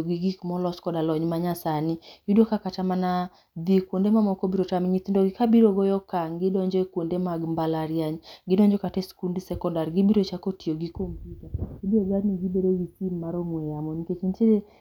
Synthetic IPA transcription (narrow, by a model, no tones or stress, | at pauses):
ɡiɡikmɔlɔskɔdalɔɲmaɲasanijudokakatamana | d̪ikwondemamɔkobiɾotamɲit̪ndoɡɪkabiɾoɡɔjɔkaŋɡɪdɔɲd͡ʒɔekwondemaɡmbalaɾjaɲɡɪdɔɲd͡ʒɔkatɛskundisɛkɔndaɾɡibiɾot͡ʃakotioɡikompjutaibioɡadniɡibeɾeɡisimːaɾomwɛjamɔniket͡ʃint͡ʃede